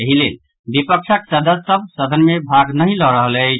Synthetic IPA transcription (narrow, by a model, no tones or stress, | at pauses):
əɦilel | bipək̚t͡ʃʰəksəd̪əsəb̚səd̪ʱənmebʱaɡnəɦĩlɔɾəɦəlɛ